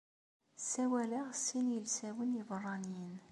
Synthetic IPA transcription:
sæwæləʁsːinjəlsæwənjivərˤːɑnjən

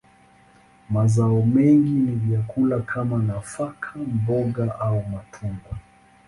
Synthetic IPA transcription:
mazaɔmɛŋɡinivjakulakʰamanafakʰambɔɠaʔaumatʰuŋɡwa

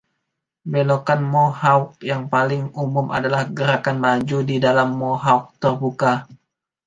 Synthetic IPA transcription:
belokanmohauk̚jaŋpalɪŋumʊmʔa̰dalahɡəɾakanmad͡ʒudidalamːoɦauk̚t̪ərbuka

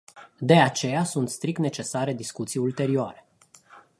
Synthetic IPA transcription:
d̪e̞at͡ʃe̞jasunt̪st̪ɾik̚t̪net͡ʃe̞saɾe̞d̪iskut̪sijult̪e̞ɾioa̰ɾe̞

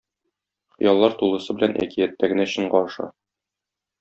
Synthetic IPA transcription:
χ̆jɑlˠːɑɾt̪ulˠɤ̆sɤbɘ̆lænʔæ̰kijæt̪ːæɡɘ̆næɕɤ̆ɴɢɒɤ̆ʃɑ̰

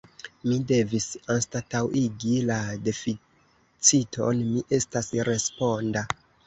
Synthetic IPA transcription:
mide̞visanstatawiɡilade̞fi | t͡sitʰo̞̰nmiʔe̞stasɾe̞spo̞nda

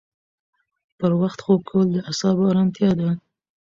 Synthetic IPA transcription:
pəɾwaxt̪xokʰawəld̪əasɑbɑɾɑnt̪jɑd̪a

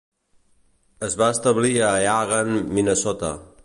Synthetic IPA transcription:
əzβaəst̪əβliəjaɣənminəsɔt̪ə̰

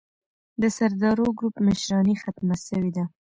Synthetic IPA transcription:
d̪əsaɾd̪ɑɾoɡɾupmɪʃɾɑnixat̪masəwed̪a

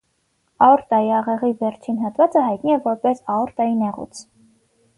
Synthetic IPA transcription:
ɑɔɾt̪ɑjiɑʁɛʁivɛɾt͡ʃʰinɦɑt̪vɑt͡səhɑjt̪niɛvɔɾpɛsɑɔɾt̪ɑjinɛʁṵt͡sʰ

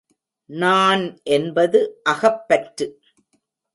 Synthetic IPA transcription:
naːnʔɛnbɐðɯʔɐɣɐpːɐʈɾɯ

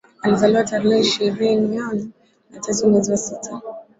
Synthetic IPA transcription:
alizaliwataɾihɛiʃiɾinianɛ | natʰɛsumwɛziwasitʰa

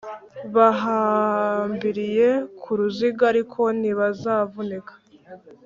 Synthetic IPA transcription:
βaɦaːmbiɾije̞kʰuɾuziɡaɾikʰo̞niβazaːvunekḁ

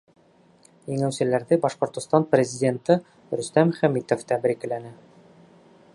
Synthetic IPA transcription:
jɘ̆ŋæwsɘ̆læɾðɘbɑʃqŏɾt̪ŏst̪ɑnprʲɪzʲɪdʲent̪ɤ | ɾɵ̆st̪æmχæmit̪oft̪æbɾikɘ̆lænɘ

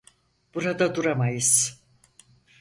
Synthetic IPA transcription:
b̥uɾad̪ad̪uɾamajɯz̥

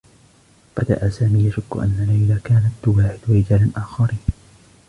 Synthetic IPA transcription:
b̥ad̪a̰ʔasaːmiːjaʃʊkːʊ̰ʔa̰nːalajlakaːnat̪̚ːwaːħɪd̪wɾɪd͡ʒaːlanʔaːxɑɾiːn

